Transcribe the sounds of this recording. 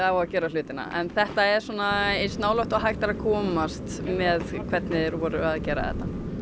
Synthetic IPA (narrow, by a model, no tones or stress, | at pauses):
awaðcɛːɾalʏːt̪ɪna̰ʔɛ̰nθɛht̪aɛɾ̥sɔːnaejnst̪naːwlɔht̪aɦajxt̪aɾakʰɔːmast̪mɛðkʰvɛt̪nɪðɾvɔːɾʏaðcɛːɾa̰ðɛ̰ht̪ːa